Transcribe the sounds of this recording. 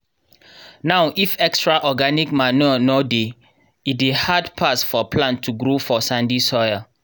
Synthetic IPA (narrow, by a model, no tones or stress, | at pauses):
nawʔifɛkstɹaʔɔɡanikmanɔnɔde | it̚dehadpʰasfɔpʰlãntʰːuɡɹofɔsãndisɔja